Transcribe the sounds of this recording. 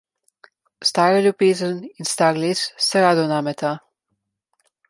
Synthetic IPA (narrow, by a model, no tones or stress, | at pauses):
st̪aːɾalʲjubeːzəninst̪aːɾlesːɛɾaːd̪ɔnaːmɛt̪a